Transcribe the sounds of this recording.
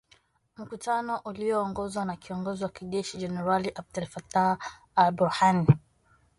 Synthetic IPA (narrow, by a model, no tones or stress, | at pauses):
m̩kutanɔʔuliɔːŋɡɔzwanakiɔŋɡɔziwakiʄɛʃid͡ʒɛnɛɾaliʔab̚dɛlfata | albuhani